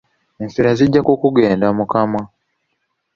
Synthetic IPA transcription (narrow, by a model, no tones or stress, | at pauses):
eɱfiɾaziɟːakukuɡe̞ːndamukama